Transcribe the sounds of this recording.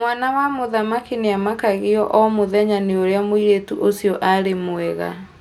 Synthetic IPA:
mwanawamoðamakineamakaɣiɔʔɔmoðɛɲaneoɾeamwiɾetuʔosijɔʔaɾemoɛɣa̰

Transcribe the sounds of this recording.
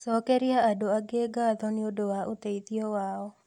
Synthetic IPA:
sɔkɛɾiaadoaɡeːɡaðɔnɪodowaʔot̪eitiɔwaɔ

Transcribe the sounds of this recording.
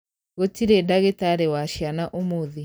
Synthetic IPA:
ɣotiɾedaɣetaɾewaʃjanaʔomoði

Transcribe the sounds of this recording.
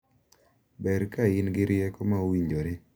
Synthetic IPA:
bɛɾkaɪnɡɪɾɪjɛkomaowiɲd͡ʒoɾɪ

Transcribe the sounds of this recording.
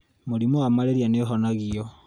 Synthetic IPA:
moɾimoamaleɾianeɦɔnaɣiɔ

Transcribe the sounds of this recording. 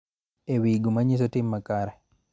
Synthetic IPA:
ɛwiːɡumaɲis̬ɔtimːakaɾɛ

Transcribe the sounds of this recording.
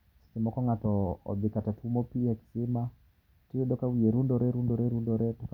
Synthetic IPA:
si̥simɔkɔŋatɔ̰ːbikatatʰumɔpiaki̥sima | tiɛɗɔkawijeɾundɔɾɛɾundɔɾɛɾundɔɾɛtuka

